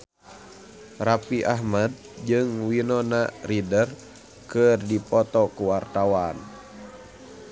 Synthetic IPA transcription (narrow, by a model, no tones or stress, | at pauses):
rapiʔaɦmad̚d͡ʒɨŋwinɔnaridər | kɨrdipɔt̪ɔkuwart̪awan